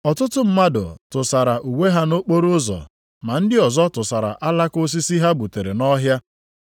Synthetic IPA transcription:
ɔ˨tʊ˦tʊ˦m̩˦ma˦dʊ̰˨tʊ˨sa˨ɾa˨ʔu˨we˦ɦa˦no˦k͡po˦ɾʊ˦zɔ̰˨ | ma˨n̩˦dɪ˦ɔ˨zɔ˦tʊ˨sa˨ɾa̰˨ʔa˦la˦ko˦s̬i˦si˦ɦa˦bu˨te˨ɾe˨nɔ˦ɦja˦

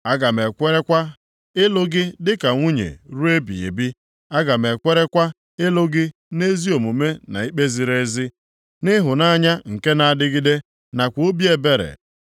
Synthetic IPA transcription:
a˦ɡa˨m˨e˨kʷe˦ɾe˦kʷa˦ | ɪ˦lʊ˦ɡɪ˦dɪ˦ka˨ŋʷu˦ɲḛ˨ɾu˦e˦bḭ˨ḛ˨bi˦ | a˦ɡa˨me˨kʷe˦ɾe˦kʷa˦ | ɪ˦lʊ˦ɡɪ˦ | ne˦zi˦o˨mu˨me˦na̰˨i˦k͡pe˦zi˨ɾe˦zɪ˦ | nɪ˦ɦʊ˨na˦ɲa˦ŋ̩˨ke˦na˨a˨dɪ˦ɡɪ˦de˦ | na˨kʷo˦bi˦e˦be˦ɾḛ˨

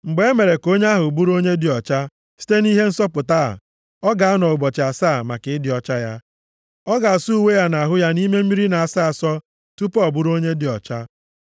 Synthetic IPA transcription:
ŋ͡m̩˨ɡ͡be˨e˦me˨ɾe˨ko˦ɲe˦a˦ɦʊ˨bu˦ɾo˦ɲe˦dɪ˨ɔ˨t͡ʃa˦ | si̥˦te˦ni˦ɦe˦n̩˦sɔ˦pʊ˨ta̰˦˨ | ɔ˦ɡa˨a˦nɔ˨ʊ˨bɔ˨t͡ʃɪ˨a˨saː˦˨ma˨kɪ˨˦ɪ˦dɪ˨ɔ˨t͡ʃa˦ja˦ | ɔ˦ɡa˨su˦u˦˨we˦ja˦na˨a˨ɦʊ˦ja˦ni˦me˦m̩˦i˦ɾi˦na˨a˨saː˦˨sɔ˦ | tu˦pɔ˦˨bu˦ɾo˦ɲe˦dɪ˨ɔ˨t͡ʃa˦

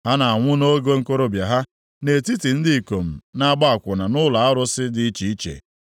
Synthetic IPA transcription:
ha˦na˨a˨ŋʷʊ˦no˦ɡe˦ŋ̩˦ko˦ɾo˦bja˨ɦa˦ | ne˨ti˦ti˨n̩˦dɪ˦˨ko˨m̩˨na˦ɡ͡ba˦a˨kʷʊ˨na˨nʊ˦la˨a˦ɾʊ˦sɪ˦dɪ˦i˦t͡ʃi˨i˦t͡ʃḛ˨

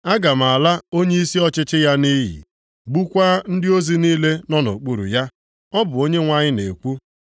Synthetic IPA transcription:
a˦ɡa˨m̩˨a˨la˦o˦ɲe˦i˦si˦ɔ˦t͡ʃɪ˦t͡ʃɪ˦ja˦ni˦ɦḭ˨ | ɡ͡bu˦kʷa˦n̩˦dɪ˦o˦zi˦niː˦le˦nɔ˦no̰˨k͡pu˦ɾṵ˨ja˦ | ɔ˦bʊ˨o˦ɲe˦ŋʷa˦ɲɪ˦ne˨kʷu˦

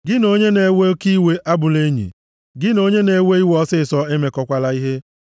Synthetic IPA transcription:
ɡɪ˦no˦ɲe˦ne˨˦we˦ki˦we˦ʔa˦bʊ˨le˦ɲḭ˨ | ɡɪ˦no˦ɲe˦ne˨˦we˦i˦wɔ˦sɪ˦˨sɔ˨e˦me˨kɔ˦kʷa˦la˦i˦ɦe˦

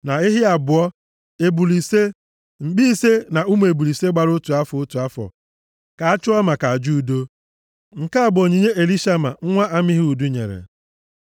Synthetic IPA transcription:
na˨ɪ˦ɦɪ˦a˨bʊ˨ɔ˦ | e˨bu˨li˨se˦ | ŋ͡m̩˨ɡ͡bi˦i˦se˦na˨u˦mu˨e˨bu˨li˨se˦ɡ͡ba˨ɾʊ˦tu˨a˦fʊ˨o˦tu˨a˦fɔ̰˨ | ka˨a˦t͡ʃʊ˦ɔ˦ma˨ka˨a˨d͡ʒu˦˨do˦ | ŋ̩˨ka˦a˨bʊ˨o˨ɲi˨ɲe˦ʔe˨li˦ʃa˦ma̰˨ŋ̩˦ŋʷa˦ʔa˦mi˦ɦi˦u˨du˦ɲḛ˨ɾḛ˨

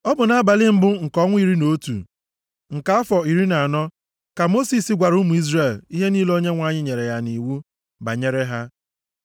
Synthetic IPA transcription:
ɔ˦bʊ˨na˦a˦ba˨lɪ˦m̩˦bʊ˦ŋ̩˨kɔ˦ŋʷ˦i˦ɾi˦no˦tṵ˨ | ŋ̩˨ka˦a˦fɔ˨i˨ɾi˦na˨a˨nɔ˦ | ka˨mo˦si˨si˨˦ɡʷa˨ɾu˦mu˨i˦zre˨li˦ɦe˦niː˦lo˦ɲe˦ŋʷa˦˨ɲɪ˦ɲe˨ɾe˨ja˦ni˨wu˦ | ba̰˨ɲe˦ɾe˦ɦa˦

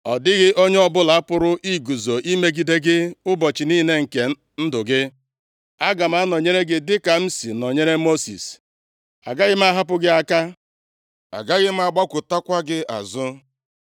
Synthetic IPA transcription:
ɔ˨dɪ˦ɣɪ˦ʔo˦ɲe˦ɔ˦bʊ˦la˨a˦pʊ˦ɾʊ˦ʔi˦ɡu˨zo˨ʔi˦me˦ɡi˨de˦ɡɪ˦ʊ˦bɔ˨t͡ʃɪ˨niː˦ne˦ŋ̩˨ke˨ | n̩˦dʊ˨ɡɪ˦ | a˦ɡa˨m̩˦a˦nɔ˨ɲe˦ɾe˦ɡɪ˦dɪ˦ka˨m̩˦si˨nɔ˨ɲe˦ɾe˦mo˦sḭ˨s | a̰˨ɡa˦ɣɪ˦m̩˦a˦ɦa˦p̬ʊ˦ɡɪ˦a˦ka˦ | a̰˨ɡa˦ɣɪ˦m̩˦a˦˨ɡ͡ba˦kʷʊ˨ta˦kʷa˦ɡɪ˦a̰˨zʊ˦

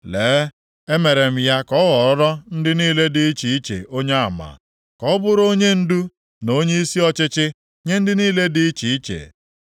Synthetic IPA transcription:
leː˨˦ | e˦me˨ɾe˨m̩˦ja˦kɔ˦ɣɔ˨ɾɔ˦ɾɔ˦n̩˦dɪ˦niː˦le˦dɪ˨i˦t͡ʃi˨i˦t͡ʃḛ˨ʔo˦ɲe˦a˨ma̰˨ | kɔ˦bʊ˦ɾo˦ɲe˦n̩˦du˦ | no˦ɲe˦i˦si˦ɔ˦t͡ʃɪ˦t͡ʃɪ˦ | ɲe˦n̩˦dɪ˦niː˦le˦dɪ˨˦i˦t͡ʃi˨i˦t͡ʃḛ˨

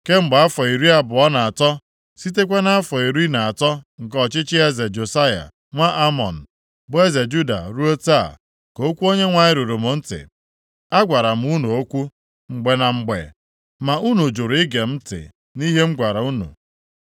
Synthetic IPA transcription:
ke˦ŋ͡m̩˨ɡ͡ba˨a˦fɔ˨i˨ɾi˦a˦bʊ˨ɔ˦na˨a˨tɔ˦ | si˦t̬e˦kʷe˦na˦a˦fɔ˨i˨ɾi˦na˨a˨tɔ˦ŋ̩˨kɔ˦t͡ʃɪ˦t͡ʃɪ˦e˦ze˨d͡ʒo˨sa˦ja̰˨ | ŋʷa˦ʔa˦mɔ˨n̩˨ | bʊ˦e˦ze˨d͡ʒu˦da̰˨ɾu˦o˦ta˦a̰˨ | ko˦kʷu˦o˦ɲe˦ŋʷa˨ɲɪ˦ɾu˨ɾu˨mo˨n̩˦tɪ̰˨ | a˦ɡʷa˨ɾa˨m̩˦u˦nu˨o˦kʷu˦ | ŋ͡m̩˨ɡ͡be˨na˨ŋ͡m̩˨ɡ͡bḛ˨ | ma˨ʔu˦nu˨d͡ʒo˨ɾɪ˦ɡe˨m̩˦tɪ̰˨ | ni˦ɦe˦ŋ͡m̩˦ɡʷa˨ɾa˨u˦nṵ˨

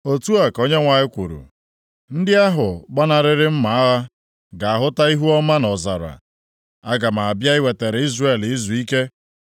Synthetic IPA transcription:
o˨tu˦a˨ko˦ɲe˦ŋʷa˨ɲɪ˦kʷṵ˨ɾṵ˨ | n̩˦dɪ˦a˦ɦʊ˨ɡ͡ba˦na˨ɾɪ˦ɾɪ˦m̩˦ma˨a˦ɣa˦ | ɡa˨a˨ɦʊ˦ta˦i˦ɦu˦ɔ˦ma˦nɔ˨za̰˨ɾa̰˨ | a˦ɡa˨ma˨a˨bja˦ɪ˦we˨te˨ɾe˨˦i˦zre˦˨li˦zu˨i˦ke˦

